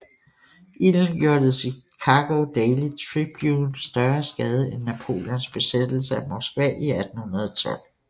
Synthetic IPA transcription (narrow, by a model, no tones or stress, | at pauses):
ʔiln̩ɡ̥jo̝ɐd̥əð̩ˠsikʰɑɡ̥od̥ɛɪlit͡sʰʁib̥junsd̥ɶɐsɡ̥ɛːð̞ˠəʔenːæpʰo̝̰ːljɒnsb̥e̝sed̥l̩səæmɒsɡ̥ʋɛ̰ʔiæd̥n̩hunɐð̞̩ˠɒt͡sʰɒ̽l̰